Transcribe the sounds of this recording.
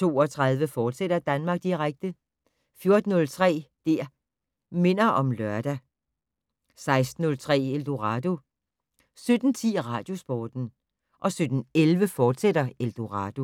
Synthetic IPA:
t͡sʰo̝̰ːɒ̽t͡sʰʁɑð̞ˠʋəfɒːd̥seɾ̥ɐd̥ænmɑ̈ɡ̥̚d̥iʁaɡ̥̚d̥ə | fjo̝ɐd̥n̩ːɔ̽lt͡sʰʁɛ̰ːd̥æɐ̰ | me̝n̰ɐʔɒ̽mlɶɐd̥æ | sɑ̈ɪsd̥n̩ɔ̽lt͡sʰʁɛ̰ːeld̥oʁɑ̈d̥o̝ | sød̥n̩t͡sʰḭːʁɑ̰̈ːd̥jo̝sb̥ɒːd̥n̩ | ʔɒ̽sød̥n̩elʋəfɒːd̥seɾɐeld̥oʁɑ̈d̥o̝

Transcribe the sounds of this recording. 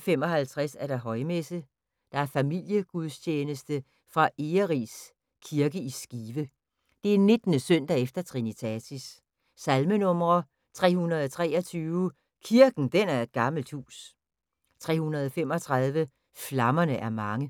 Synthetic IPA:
femɒ̽hælt͡sʰʁasæɐd̥ɑ̈ɦɒ̽ɪmesə | d̥ɑ̈æɐfæmil̰jəɡ̥uðˠst͡ɕʰeːnəsd̥ə | fʁɑ̈ʔeːɐʁis | kʰiɐɡ̥əisɡ̥iːʋə | d̥e̝æɐne̝d̥nəsœn̰d̥æefd̥ɐt͡sʰʁinit͡sʰæsis | sælmənɔ̽mʁɐ | t͡sʰʁɛ̰ːhunʁɐð̞ˠɒt͡sʰʁɛ̰ːɐt͡sʰyːʊ | kʰiɐɡ̥n̩d̥enæɐe̝d̥̚ɡ̥ɑ̈ml̩d̥hṵːs | t͡sʰʁɛ̰ːhunʁɐð̞ˠɒ̽fem̰ɒ̽t͡sʰʁɑ̈ð̞ˠʋə | flɑ̈mɐnəʔæɐmɑ̈ŋə

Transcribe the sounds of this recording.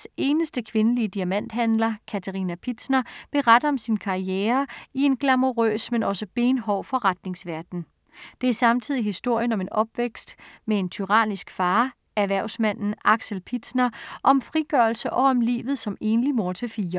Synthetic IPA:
se̝ːnəsd̥əkʰʋe̝nəliəd̥iæmæn̰d̥hænlɐkʰæt͡sʰæʁinæpʰid̥snɐb̥e̝ʁɑd̥ɐɒ̽msinkʰɑ̈ieːɐie̝nɡ̥læmo̝ʁø̰ːsmenʔɒ̽səb̥e̝ːnɦɒʊ̰fɒ̽ʁɑd̥ne̝ŋsʋæɐd̥n̩ | d̥e̝æɐsɑ̈mt͡sʰið̞̰ˠiɦisd̥o̝ɐ̰jənɒ̽me̝nɒ̽b̥ʋeɡ̥sd̥mee̝nt͡sʰyʁɑ̰̈ːnisɡ̥fɑ̈ː | æɐʋæɐʊsmæn̰n̩ʔɑ̈ɡ̥selpʰid̥snɐʔɒ̽mfʁiɡ̥ɶɐlsəʔɒ̽ɒ̽mlḭːʋð̞̩ˠsɒ̽me̝ːnəlimo̝ɐt͡sʰefiːɐ

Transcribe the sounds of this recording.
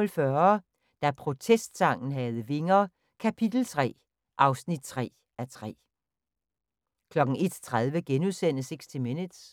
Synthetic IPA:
lfɶɐ | d̥æpʰʁo̝t͡sʰesd̥sɑ̈ŋ̰n̩ɦɛð̞ˠəʋe̝ŋɐ | kʰæpʰid̥l̩t͡sʰʁɛ̰ː | ʔɑ̈ʊsnid̥̚t͡sʰʁɛ̰ː | æt͡sʰʁɛ̰ː | kʰlɒ̽ɡ̥n̩e̝d̥t͡sʰʁað̞ˠʋəɡ̥enuðˠsen̰əse̝ɡ̥sd̥ʰimenə̥s

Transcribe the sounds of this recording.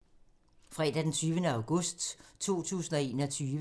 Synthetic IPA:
fʁɛːd̥æd̥ent͡sʰyːʋənəɑ̈ʊɡ̥ɔ̽sd̥t͡sʰo̝̰ːt͡sʰṵːsn̩ɒe̝ːnɒt͡sʰyːʋ

